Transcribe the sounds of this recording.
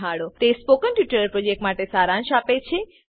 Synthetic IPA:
ɦaɽot̪espokənʈjuʈəɾɾpɾod͡ʒek̚ʈmaʈesaɾãnʃapet͡ʃʰe

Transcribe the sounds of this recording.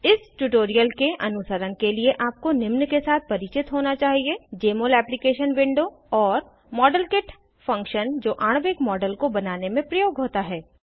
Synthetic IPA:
ɪsʈuʈoːɾijəlkeʔɐnʊsəɾənkelieʔaːp̚konɪmnkesaːt̪̚ʰpɐɾɪt͡ʃɪt̪ɦoːnat͡ʃaːɦied͡ʒeːmoːlɛːplɪkeːʃənʋɪ̃ɳɖo | ɔːɾ | mɔːɖəlkɪʈ | fɐ̃ŋkʃənd͡ʒoːʔaːɽ̃ʋɪkmɔːɖəlkobɐnaːnemẽpɾɐjoːɡɦoːt̪aɦɛː

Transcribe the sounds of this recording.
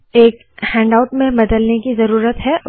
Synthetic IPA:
eːk | hɛ̃ːɳɖaʊʈmẽbɐd̪əlnekizɐɾuːɾət̪ɦɛ

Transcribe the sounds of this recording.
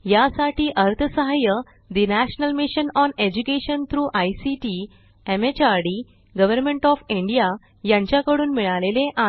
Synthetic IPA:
jasaʈiːʔəɾt̪ʰəsəɦajə | d̪inæɕnəlmiɕənɔned͡ʑukeɕənt̪ʰɾuːʔajsiʈi | emet͡ɕaɾɽiː | ɡəʋəɾmeɳʈɔfĩɳɖija | jãɲt͡ɕjakəɽuːnmiɭaleleʔa

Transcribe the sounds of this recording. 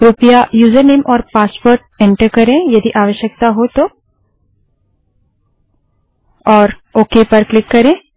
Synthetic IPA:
ɾupjajuːzəɾneːmʔɔːɾpaːspoːɾʈ̚ɛ̃ɳʈəɾkɐɾẽjɐd̪iʔaːʋəʃjək̚t̪aɦot̪o | ɔːɾoːkepɐɾklɪkːɐɾẽː

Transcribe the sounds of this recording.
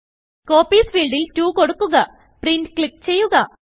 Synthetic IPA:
ko̞ːpːiːsʋiːɭɖiltuːko̞ɽukːuɣɐ | prindkɭik̚ːt͡ɕe̞jːuɣɐ

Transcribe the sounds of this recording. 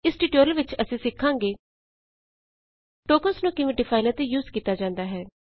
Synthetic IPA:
ɪsʈiːʈoːɾəlʋɪt͡ʃəsĩːsɪkʰːãːŋɡeː | ʈoːkəsnũːkɪʋẽːɖɪpʰaːɪnət̪juːzkiːt̪aːd͡ʒãːnd̪aːɦɛː

